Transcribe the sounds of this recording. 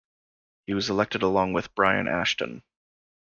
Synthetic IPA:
hiwʌzəlɛk̚tɨɾəlɔ̃ŋwɨðb̥ɹaɪɨ̰̃nʔæ̰ʃtə̰̃n

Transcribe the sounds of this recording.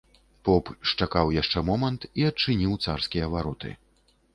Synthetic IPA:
pɔpʂt͡ʂakawjaʂt͡ʂɛmɔmɐnt̪iɐt͡ʂɨnʲiwt̪sarskʲijɐvaɾɔt̪ɨ̰

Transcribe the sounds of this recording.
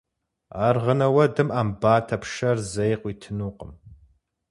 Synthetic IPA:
aːrʁənɐwɐdɨmaːmbaːtʰɐpʰʂɐrzɐjqʷiːtʰɨnuːqʼəm

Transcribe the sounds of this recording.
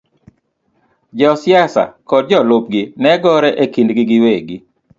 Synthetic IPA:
d͡ʒɔsjasa̰kɔd̚d͡ʒɔlop̚ɡɪnɛɡɔɾɛʔekindɡɪɡɪweɡi

